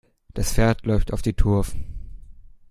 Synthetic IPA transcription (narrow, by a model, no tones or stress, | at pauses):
d̥asfeɐtʰlɔʏftaʊfd̥iːtʰʊɐfn̩